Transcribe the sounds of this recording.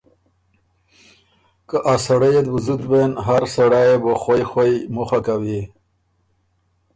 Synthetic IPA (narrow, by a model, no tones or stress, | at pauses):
kəʔasaɽəjed̪buzut̪benɦaɾsaɽajeboxajxwajmuxakawi